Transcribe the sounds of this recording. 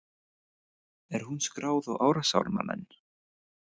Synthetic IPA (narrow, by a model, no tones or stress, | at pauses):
ɛɾ̥hunskɾaːwðɔɣaːwɾasa̰wɾma̰mɛ̰nː